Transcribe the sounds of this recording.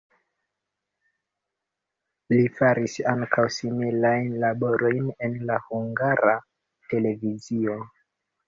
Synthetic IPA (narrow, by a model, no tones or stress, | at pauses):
lifaɾisaŋkʰawsimilajnlabo̞ɾʔo̞jne̞nlahuŋɡaɾa | te̞le̞vizio̞